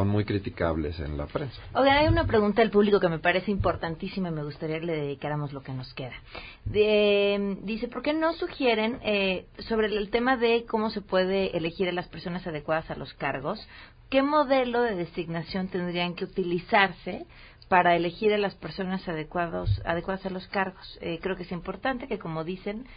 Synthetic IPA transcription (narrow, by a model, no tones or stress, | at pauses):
sonmujkɾit̪ika̰βle̞̰sḛnla̰pɾensḁojɣanajunapɾe̞ɣũnt̪aðe̞lpuβliko̞ke̞me̞paɾe̞seimpo̞ɾt̪ant̪isimaime̞ɣ̞ust̪aɾiakele̞ðeðikaɾamo̞zlo̞ke̞no̞ske̞ða | emd̪ise̞po̞ɾke̞no̞suxje̞ɾe̞neso̞βɾe̞lt̪e̞maðe̞ko̞mo̞se̞pwe̞ðe̞ʔele̞xiɾalaspe̞ɾso̞nasað̞ekwaðasalʔo̞̰skaɾɣo̞s | ke̞mo̞ðe̞lo̞ðe̞ðe̞siɣnasjo̞nt̪e̞nd̪ɾiaŋke̞ut̪ilisaɾse̞ | paɾaele̞xiɾalaspe̞ɾso̞nasaðekwaðosa̰ðekwaðasalo̞skaɾɣo̞sekɾe̞okeesimpo̞ɾt̪ant̪e̞ke̞ko̞mo̞ðise̞n